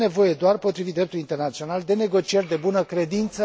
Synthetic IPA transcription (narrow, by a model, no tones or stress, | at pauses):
ne̞vo̞je̞d̪oarpo̞t̪ɾivit̪̚d̪ɾe̞p̚t̪ulint̪e̞rnat̪sio̞nald̪e̞ne̞ɡo̞t͡ʃije̞rʲd̪e̞bunəkɾe̞d̪int̪sə